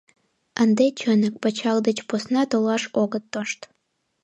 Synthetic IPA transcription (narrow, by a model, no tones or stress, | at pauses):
ənd̪et͡ɕønək̚pət͡ɕɑld̪ət͡ɕposnɑt̪olɑʃoɡət̪ːoʃt̪